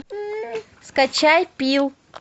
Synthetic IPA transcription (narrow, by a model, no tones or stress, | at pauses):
skat͡ʃajpiw